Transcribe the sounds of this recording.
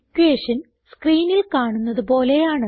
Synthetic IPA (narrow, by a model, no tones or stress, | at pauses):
kʲːueːʂɐn | skriːnilkaːɳunːɐðɨpo̞ːle̞jaːɳɨ